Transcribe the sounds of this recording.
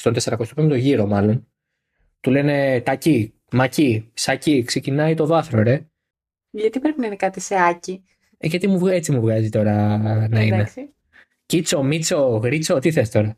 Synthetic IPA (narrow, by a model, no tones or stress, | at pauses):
st̪ont̪e̞seɾɐko̞st̪opemt̪o̞ʝiɾo̞mɐlo̞n | t̪ule̞ne̞t̪ɐci | mɐcisɐcikse̞cinɐit̪o̞ðɐθɾoɾe̞ | ʝɐt̪ipɾepininikɐt̪iseɐci | eʝɐt̪imuvet͡simuvɣɐzit̪o̞ɾɐnɐine | cit͡so̞mit͡so̞ɣɾit͡so̞t̪iθest̪o̞ɾɐ